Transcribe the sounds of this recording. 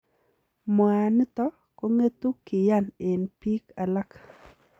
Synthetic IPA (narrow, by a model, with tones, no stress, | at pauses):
mwa˨nɪ˦t̪ɔ˦ | ko˦ŋe˦t̪u˦kɪ˨ja˦nɪ˨npi˦ka˨la˦k